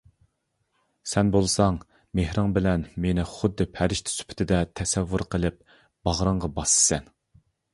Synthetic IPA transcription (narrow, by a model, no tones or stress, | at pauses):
sɛnbolˠsɑŋ | mehɾɑŋbɪlɛnmenɪχʊd̪ːɨpʰæɾɪʃt̪ʰɪ̥sy̥pʰɪ̥t̪ʰɪd̪ɛt̪ʰɛsɛvːuɾqʰəlˠɪp̚ | b̥ɑʁɾəɴʁɑbɑsɨ̥sɛn